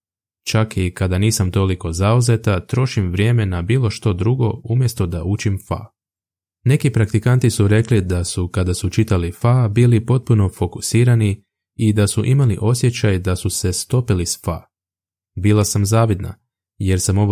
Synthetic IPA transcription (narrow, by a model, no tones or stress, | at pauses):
t͡ʃakikad̪aniːsamt̪o̞liko̞zauze̞t̪at̪ɾo̞ʃimʋɾje̞ːme̞nabiːlˠo̞ʃt̪o̞d̪ɾuɡo̞umje̞st̪o̞d̪aut͡ʃimfa̰ | ne̞kipɾakt̪ikant̪isuɾe̞klid̪asukad̪asut͡ʃit̪alifabiːlipo̞t̪̚puno̞fo̞ku̥siːɾani | id̪asuʔimaliʔo̞sje̞t͡ɕajd̪asuse̞st̪o̞pilisfa̰ː | biːlˠasamzaːʋid̪na̰ | je̞ɾsamo̞ʋ